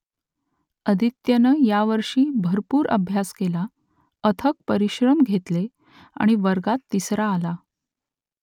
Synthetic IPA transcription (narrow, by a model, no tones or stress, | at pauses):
əd̪ʱit̪jənəjaʋəɾʂiːbʱəɾpuːɾə̰bʱjaskela | ət̪ʰək̚pəɾiɕɾəmɡʱet̪le | a̰ɽ̃iʋəɾɡat̪ːisɾaːla